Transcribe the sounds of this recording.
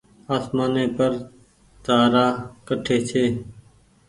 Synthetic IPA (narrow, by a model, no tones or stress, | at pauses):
aːsmaːneːpəɾ | t̪aːɾaːkəʈʰeːt͡ʃʰeː